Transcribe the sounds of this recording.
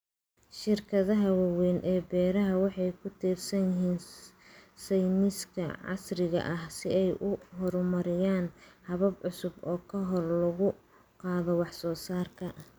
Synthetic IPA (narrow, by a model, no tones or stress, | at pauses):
ʃɪrkʰɐðɐɦɐwɑwɛnʔɛːbɛːɾɐɦɐwɑħɑjkʰʊt̪ʰiːrsɐnjɪɦiːn | sɛjmɪskʰɐ̰ʕɑ̰srɪɣɐ̰ʔɐhsɪɛjʔʊɦɔɾmɐɾɪjaːnhɐβɐbʕʊsʊbɔːkʰɐɦɔrlɐɣʊ | qɑːðɔwɑħsɔːsaːrkʰɐ